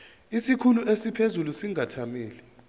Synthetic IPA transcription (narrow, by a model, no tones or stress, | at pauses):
isikʰuluʔesipʰezulusiŋʱatʰamiːlɛ